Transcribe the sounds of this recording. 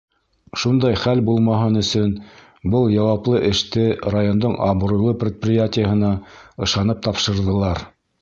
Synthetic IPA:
ʃund̪ɑjχælbulˠmɑɦɤnɵ̆sɵn | bɤlˠjɑwɑplˠɤʔɘ̆ʃt̪ɘrajo̞nd̪oɴɑ̰β̆ɾujlˠɤprʲɪt̪̚prʲɪjatʲɪjəɦɤ̆nɑɤ̆ʃɑnɤp̚t̪ɑpʃɤ̆ɾðɤ̆lˠɑɾ

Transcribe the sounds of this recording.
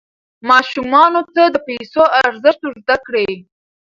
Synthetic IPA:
mɑʃumɑnot̪ad̪əpejsoʔaɾzəʃt̪ozd̪akɽe

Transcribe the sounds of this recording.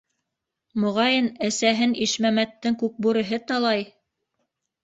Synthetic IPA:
mŏʁɑjɤnæsæɦɘniʃmæmæt̪ːɘŋkʉk̚bʉɾɘ̆ɦɘt̪ɑlˠɑj

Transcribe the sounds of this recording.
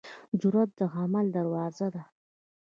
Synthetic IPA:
d͡ʒʊɾat̪̚d̪əɣamald̪aɾwɑzad̪a

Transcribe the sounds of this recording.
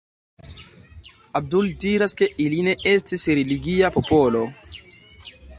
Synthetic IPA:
ab̚duldiɾaske̞ʔiline̞ʔestisɾeliɡiapo̞polo

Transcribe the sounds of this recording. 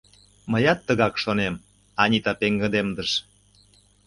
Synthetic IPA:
məjɑt̪ːəɣɑkʃonem | ɑnʲit̪ɑpeŋɡə̆d̪emd̪əʃ

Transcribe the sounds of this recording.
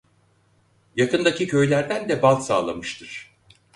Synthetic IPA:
jakɯnd̪acicʰø̞jlʲæɾd̪ænd̪ɛbalˠsa̰ːlˠa̰mɯʃt̪ʰɯɾ̥

